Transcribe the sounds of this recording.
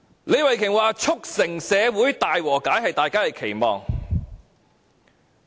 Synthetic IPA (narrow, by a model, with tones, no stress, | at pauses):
le˨˧jwɐ˨jkʰɪ˨˩ŋwaː˨˧t͡ʃʰʊ˥k̚sɪ˨˩ŋsɛː˨˧wuː˨˥jt̪aː˨jwɔː˨˩kaː˨˥jɦɐ˨jt̪aː˨jkaː˥hɐ˨jkʰe˨˩jmɔ̰ː˨ŋ